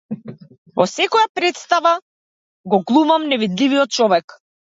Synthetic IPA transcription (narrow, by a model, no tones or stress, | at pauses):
vɔsɛkɔjapɾɛt̪st̪ava | ɡɔɡlˠumamnɛvid̪livijɔt̪̚t͡ʃɔvɛk